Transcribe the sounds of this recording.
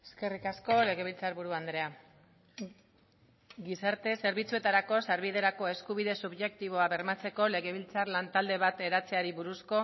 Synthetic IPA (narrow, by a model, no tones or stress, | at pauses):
eske̞rikasko̞le̞ɣe̞β̞ilt͡saɾβuɾuand̪ɾe̞a | ɡisaɾt̪e̞se̞ɾβit͡sue̞t̪aɾako̞saɾβiðe̞ɾako̞e̞skuβiðe̞suβʝe̞k̚t̪iβo̞aβe̞ɾmat͡se̞ko̞le̞ɣe̞β̞ilt͡sarlant̪ald̪e̞βat̪e̞ɾat͡se̞aɾiβuɾusko̞